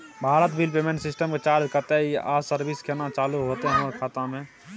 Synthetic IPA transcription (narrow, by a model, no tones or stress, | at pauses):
bʱaːɾət̪bilpeːmẽɳʈsɪsʈəmket͡ʃaːɾd͡ʒkəɾt̪eia̰ːsəɾbiskʰenat͡ʃaːluɦoːt̪eɦɦəməɾkʰaːt̪ãmẽ